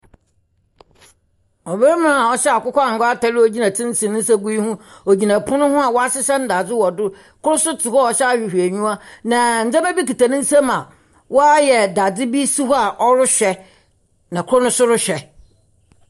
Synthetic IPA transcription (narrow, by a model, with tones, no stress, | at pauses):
ɔ˨bɛ˦ɾm˦ã˦a˨ɔ˦ɕɛ˦a˨kʊ˦kʰʷɔ˦a˨ŋ̩˨ɡɔ˦a˦ta˨lɪ˦o˨d͡ʑi˦nã˨tʰɪ̃˦n̩˦sĩ˨nɪ̃˦n̩˦sa˦ɡu˦i˦hũ˦o˨d͡ʑi˨nã˨pʰʊ̃˦nʊ̃˦hʊ̃˦a˨wɔ˦a˦sɪ˦sã˦n˦da˨d͡zɪ˦wɔ˨dʊ˦ | kʰʊ˦ɾʊ˦sʊ˦tʰɪ˨hɔ˦˨ɔ˨ɕɛ˦a˨ɕᶣi˨hᶣi˨æ˨ɲũ˦a˦nã˨n̩˨d͡zã˦mɛ˦bi˦ki˨ta˨nɪ̃˦n̩˦sɛ̃˦ma˨ | wɔ˦a˦jɛ˨da˨d͡zɪ˦bi˦su˦hɔ˦a˨ʔɔ˦ɾʊ˦ɕᶣɛ˨ | nã˨kʰʊ˦ʊ˦nʊ̃˦sʊ˦ɾʊ˦ɕᶣɛ˨